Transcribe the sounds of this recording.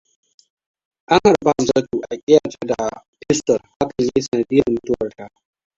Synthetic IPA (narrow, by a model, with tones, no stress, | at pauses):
ʔa˦ŋha˨ɾba˦˨za˦tuː˨ʔa˨kʲʼɪ˦jaː˨t͡ʃe˦da˨pɪ˦stɔ˨lha˦kɐ˨ɲje˦sɐ˨na˨di˦ɐ˨mʊ˨˦tʊ˦wɐ˨rta˨